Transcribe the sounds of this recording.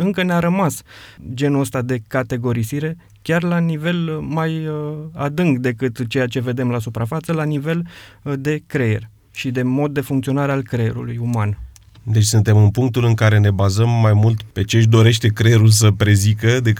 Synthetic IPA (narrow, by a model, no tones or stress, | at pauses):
ɨŋkəneaɾəmasd͡ʒe̞nuəst̪ad̪e̞kat̪e̞ɡo̞ɾisiɾe̞ | kʲarlanive̞lmajad̪ɨŋɡd̪e̞kɨt̪t͡ʃe̞jat͡ʃe̞ve̞d̪e̞mlasupɾafat̪səlanive̞ld̪e̞kɾe̞jerʲ | ʃid̪e̞mo̞d̪̚ːe̞fuŋkt̪sio̞naɾe̞alkɾeje̞̰ɾṵlujuman | d̪e̞t͡ʃʲsɨnt̪e̞mɨnpuŋk̚t̪ulɨŋkaɾe̞ne̞bazəmːajmult̪pe̞t͡ʃeɨʃ̬d̪o̞ɾe̞ʃt̪e̞kɾeeɾuls̬əpɾe̞zikəd̪e̞